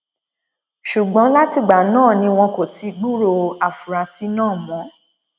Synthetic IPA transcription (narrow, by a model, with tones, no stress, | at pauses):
ʃu˨ɡ͡bɔ̃˨˦la˦ti˧ɡ͡ba˨nãː˦˨nĩ˧w̃ɔ̃˧ko˨ti˨˧ɡ͡bu˦ɾo˧˨a˨fu˨ɾa˨˧si˦nãː˦˨mɔ̃˨˦